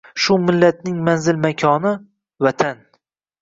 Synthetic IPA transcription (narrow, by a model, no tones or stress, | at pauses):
ʃʊmɪlːat̪̚nɪŋmanzɪlmakʲʰɒnɪ | vat̪ʰan